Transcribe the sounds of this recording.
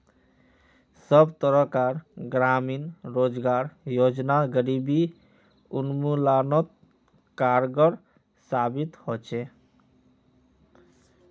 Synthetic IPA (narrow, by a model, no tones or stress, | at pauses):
sɔbt̪ɔɾɔkaɾɡɾaminɾod͡zɡaɾjod͡ʒnaɡəɾibi | unmulanɔt̪̚ | kaɾɡɔɾ | sabit̪hot͡ʃʰe